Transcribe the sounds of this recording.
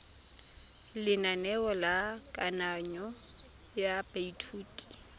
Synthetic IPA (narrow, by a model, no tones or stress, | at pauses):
lɪnanɛɔlakʼanaɲɔ | japʼeitʰuːtʼi̥